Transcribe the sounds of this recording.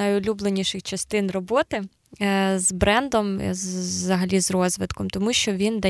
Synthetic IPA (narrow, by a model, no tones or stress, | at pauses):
ɐjʊlʲublˠenʲiʃɪxt͡ʃɐst̪ɪnrɔbɔt̪ɪ | zbɾɛnd̪ɔm̰zzɐɦɐlʲizrɔzʋɪt̪kɔmt̪ɔmuʃt͡ʃɔʋʲind̪ɐ